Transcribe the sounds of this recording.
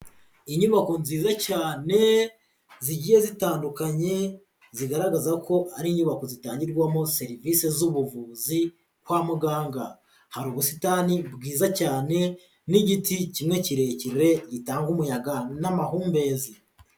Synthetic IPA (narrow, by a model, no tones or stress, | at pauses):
iɲuβako̞nziːzacaːne̞ | ziɟije̞zitaːndukaɲe̞ | ziɡaɾaɡazako̞ʔaɾiɲuβako̞zitaːɲɟiɾɡwamose̞ɾivise̞zuβuvuzi | kwaːmuɡaːŋɡa | haɾuːβusitaːnibɡiːzacaːne̞ | niɟiticimŋe̞ciɾe̞ciɾɾe̞ɟitaːŋɡumujaɡanamaɦuːmbe̞zi